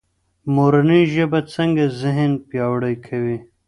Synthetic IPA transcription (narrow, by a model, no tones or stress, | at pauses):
moɾaniʒəbat͡səŋɡazɪɦɪnpjɑwɽəjkʰawi